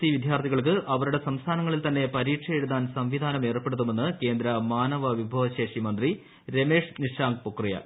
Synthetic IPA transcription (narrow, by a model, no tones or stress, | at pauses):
iʋid̪ʱjaːrt̪ʰiɣɐɭk̬ɨʔɐʋɐɾuɽe̞sɐmst̪ʰaːnɐŋːɐɭilt̪ɐnːe̞pɐɾiːʈʂɐjeɽuðaːnsɐmʋid̪ʱaːnɐme̞ːrpːe̞ɽut̪ːume̞nːɨke̞ːnd̪ɾɐmaːnɐʋɐʋibʱɐːʋɐɕe̞ːʂimɐnd̪ri | ɾe̞me̞ːʂniʂaːŋɡ̚pokːrijɐ̰